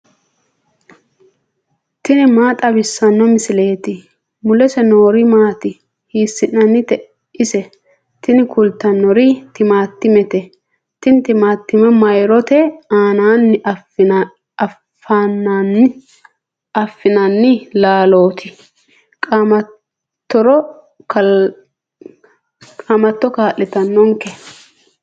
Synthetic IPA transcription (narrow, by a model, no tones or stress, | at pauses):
t̪ɪnɪmaːt̪ʼɐbɪsːɐnːɔmɪsɪle̞ːt̪ɪ | mʊlɛsɛno̞ːɾɪmaːt̪ɪ | hiːsːɪʔɐnːɪt̪ɛ | ʔɪsɛ | t̪ɪnɪkʰʊlt̪ːɐnːɔɾɪt̪ɪmaːt̪ːɪmɛt̪ɛ | t̪ɪnt̪ɪmaːt̪ːɪmɛmɐjɾɔt̪ɛaːnaːnːɪ | ɐ | faːnːanɪ | ɐfːɪnɐnːɪlaːlo̞ːt̪ʰɪ | kʼamɐ | t̪ːɔɾɔ | kɐ | kʼamɐt̪ːɔkaːʔːɛt̪ɐnːɔŋkɛ